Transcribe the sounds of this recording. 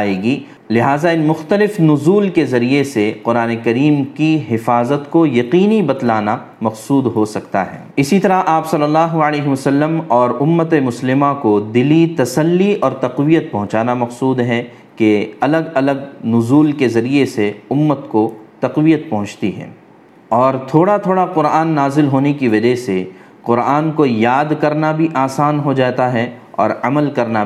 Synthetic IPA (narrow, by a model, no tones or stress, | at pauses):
aːeːɡiː | lɪɦaːzaɪnmʊxt̪əlɪfnʊzuːlkezɐɾijeseqʊɾaːnekɐɾiːmkiɦɪfaːzət̪kojɐqiːnibɐt̪laːna | mɐqsuːd̪ɦosɐkt̪a̰ɦɛ̰ːɪsit̪ɐɾaʔaːpsɐlːəlːaːɦuəleːɦeʋɐsəlːəmɔːɾʊmːət̪emʊslɪmãkod̪ɪlit̪ɐsəlːiɔːɾt̪ɐqʋijət̪̚pɐɦʊ̃t͡ʃaːnamɐqsuːd̪ɦɛ̃ | keɐləɡɐləɡnʊzuːlkezɐɾieseʊmːət̪kot̪ɐqʋijət̪̚pɐɦʊ̃t͡ʃt̪iɦɛ̰ː | ɔːɾt̪ʰoːɽat̪ʰoːɽaqʊɾaːnːaːzɪlɦoːnekiʋɐd͡ʒɛɦse | qʊɾaːnkojaːd̪kɐɾnabʱiʔaːsaːnɦod͡ʒaːt̪aɦɛɔ̰ːɾɐməlkɐɾna